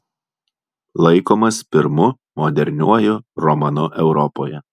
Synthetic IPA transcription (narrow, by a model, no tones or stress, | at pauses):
lˠɐɪkoːmɐspʲɪɾmʊ | mɔd̪ʲɛɾʲnʲuɔjʊɾɔmɐnʊʔɛʊɾɔpoːjɛ